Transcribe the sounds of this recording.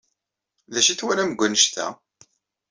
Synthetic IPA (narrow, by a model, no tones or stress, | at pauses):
ðæʃiθwæɾæməɡʷːənəʃt̪æ̰